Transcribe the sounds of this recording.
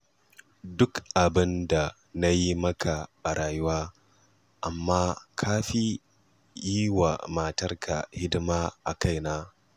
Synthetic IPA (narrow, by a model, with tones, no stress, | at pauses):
dʊ˦kʔa˨bɪ˦nda˨ | na˦ji˦mɐ˦kʰa˨ɓa˨ɽʔaː˨jʊ˦waː˦ | ʔa˨mːaː˦kʰaː˦ɸi˦ | jiː˦wa̰˨maː˨tɐ˦rkʰa̰˨hɪ˦dɪ˦maː˦ʔa˨ka˦˨jnaː˦